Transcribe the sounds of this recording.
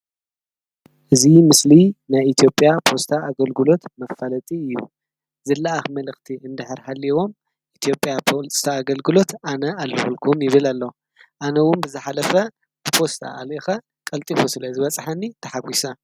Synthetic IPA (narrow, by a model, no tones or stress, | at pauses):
ʔɨzimɨslinajit̪ʰijo̞pʼjapʰo̞st̪ʰaːɡɐlɡɨlo̞t̪mɐfːalɐt̪ʼiɨjːu | zɐlːaʔaxmɐlɨxt̪ʰiʔɨnd̪ɨħɨɾhaliwo̞m | ʔit̪ʰijo̞pʼjapʰot̪ʰaːɡɐlɡɨlo̞t̪anɐalːɨβɨlkʰumjɪβɨlalːɐ | ʔanɐwʊnbɨzɨħalɐfɐ | b̥ɨpʰo̞st̪ʰa̰alʔixɐ | kʼɐlt̪ʼifosɨlɐzɨβɐt͡sʼħɐnːit̪ʰɐħaɡʷisɐ